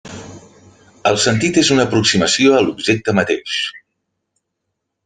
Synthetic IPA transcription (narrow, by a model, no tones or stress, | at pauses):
əlˠsənt̪it̪ezunəːpɾuksiməsioəlubʒek̚t̪əmət̪ḛʃ